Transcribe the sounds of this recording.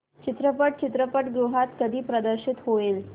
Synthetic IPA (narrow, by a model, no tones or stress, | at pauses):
t͡ɕit̪ɾəpəʈ̚t͡ɕit̪ɾəpəʈɡɾuɦat̪kəd̪ʱiːpɾəd̪əɾɕit̪ɦoel